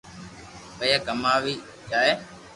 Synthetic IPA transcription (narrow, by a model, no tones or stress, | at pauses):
pəjaːkəmaːʋiː | d͡ʒaːeː